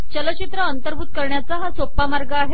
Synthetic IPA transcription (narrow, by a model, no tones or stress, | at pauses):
t͡ɕələt͡ɕit̪ɾəənt̪əɾbʱuːt̪̚kəɾɳjat͡saɦasopːamaɾɡaːɦe